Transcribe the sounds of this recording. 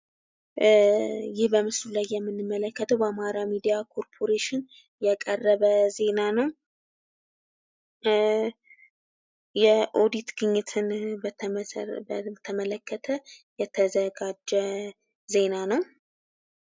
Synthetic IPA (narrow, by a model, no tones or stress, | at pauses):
jɪhbəmɨslulajːɛmːɨnːɨmːələkːət̪ʰəwbəamaɾamid̪ijakʰo̞ɾpʰo̞ɾeʃɪn | jɛkʼərːəβəze̞nanəw | jɛʔo̞d̪it̪ɡɨɲːɪt̪ʰɨnb̪ | t̪ʰəmələkʰːət̪ʰəjɛt̪ʰəzəɡad͡ʒːɛ | ze̞nanəw